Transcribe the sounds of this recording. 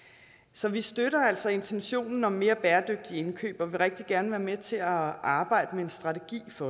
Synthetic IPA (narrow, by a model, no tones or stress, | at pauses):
sɒ̽ʋisd̥øɾɐæl̰sɒ̽e̝nt͡sʰenɕo̝̰ːnn̩ɒ̽mːe̝ːɐb̥æːɐd̥øɡ̥̚d̥ie̝nkʰø̰ːb̥ɒʋe̝ʁɛɡ̥̚d̥iɡ̥æɐnəʋæːɐmet͡sʰe̝æʔɑ̈ːb̥ɑ̈ɪ̰d̥əmeensd̥ʁɑ̈t͡sʰeɡ̥ḭːfɒ̽